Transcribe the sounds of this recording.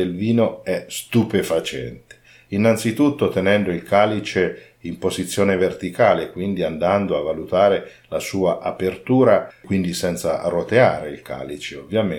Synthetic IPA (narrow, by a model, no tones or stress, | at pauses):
elviːnoɛst̪upefat͡ʃɛ̰nt̪e̥ | inːant̪sit̪ut̪ːot̪enɛnd̪oilkaːlit͡ʃe | impozit̪sːjɔːnevert̪ikaːlekwind̪iand̪and̪oavːalut̪aːɾe | lasuːaʔapert̪uːɾakwind̪isɛnt̪sa̰rot̪eaːɾeilkʰa̰ːlit͡ʃeovːjam